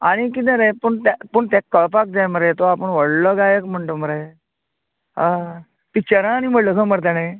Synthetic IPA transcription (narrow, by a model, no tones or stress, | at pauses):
aɽ̃ikit̪̬əɾejpəɳt̪apəɳt̪ɛ̃kːəɭpak̚d͡zajməɾet̪oapəɳʋəɽlɔɡajekm̤əɳʈoməɾə | ɦã | t̪it͡ɕəɾãːniməɽləkʰəməɾt̪̬anaj